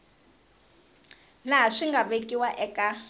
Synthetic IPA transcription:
laɦaʂiŋɡaβekʼiwaʔɛkʼa

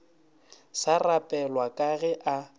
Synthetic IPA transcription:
sarapʼɛlwakʼaɣɛʔa

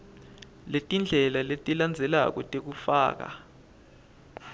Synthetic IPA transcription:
letʼind͡ɮʱɛlaletʼiland͡zʱɛla̰k̬ɔtʼek̬ufa̰ːk̬a̰

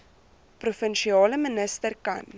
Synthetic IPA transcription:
prufənʃiɑːləmənəstərkɐ̰m

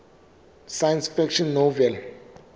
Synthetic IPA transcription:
sajə̃nsfikʃɔ̃nːovɛl

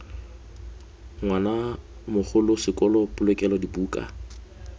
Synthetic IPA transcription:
ŋwana | mʊk͡xʰʊlʊsɪkʼɔlɔpʼʊlekʼɛlɔdibuːkʼa̰

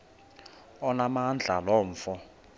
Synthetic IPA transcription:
ɔnamand͡ɮʱalɔɱfɔ

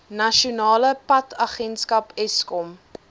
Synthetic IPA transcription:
nɐʃiunɑːləpɐtʰɐχɛnskɐpɛskɔm

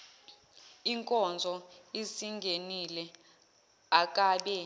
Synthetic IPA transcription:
iŋkʼɔnd͡zʱɔisiŋɡʱenilɛ | akʼaːɓɛ

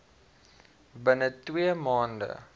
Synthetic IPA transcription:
bənətwiəmɑːndə̰

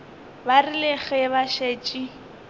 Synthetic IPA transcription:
barilɪɣɛβaʃeːt͡ʃʼi

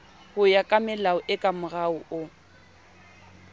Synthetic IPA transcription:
hʊjakʼamɛlaʊʔɪkʼamʊɣaʊʔʊ

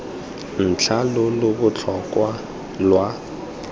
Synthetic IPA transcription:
n̩t͡ɬʰalʊlʊbʊt͡ɬʰɔkʼwa | lwa

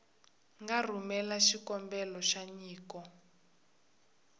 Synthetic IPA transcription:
ŋɡar̤umɛlaʃikɔmbɛlɔʃaɲiːkɔ

